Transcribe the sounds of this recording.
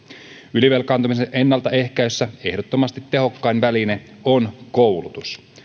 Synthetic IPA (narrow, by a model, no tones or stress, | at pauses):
yliʋe̞lkɑːnt̪umiseʔe̞nːɑlt̪ɑe̞hkæysːæe̞hdot̪ːomɑst̪it̪ːe̞ɦo̞kːɑinʋæline | onkowlut̪us